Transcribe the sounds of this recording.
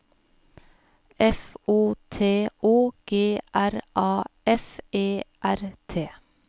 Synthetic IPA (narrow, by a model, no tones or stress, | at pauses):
ʔɛfuːt̪ʰeːuːɡ̥eːʔæɾʔɑːɛfeːʔæɾt̪ʰeː